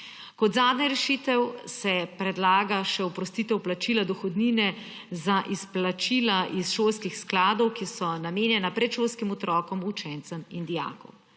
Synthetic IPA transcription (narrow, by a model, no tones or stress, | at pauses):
kɔd̪zaːd̪naɾɛʃit̪ɛwsɛpɾɛd̪laːɡaʃɛupɾɔst̪iːt̪ɛwplat͡ʃiːlad̪ɔxɔd̪niːnɛ | zaʔisplat͡ʃiːlaʔisʃoːlskixsklaːd̪ɔwkisɔnameːnjɛnapɾɛt̪ʃoːlskimɔt̪ɾɔːkɔmut͡ʃɛnt̪sɛmind̪ija̰ːkɔ̰w